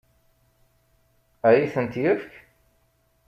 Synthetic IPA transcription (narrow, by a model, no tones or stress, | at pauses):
æjiθənt̪jəfk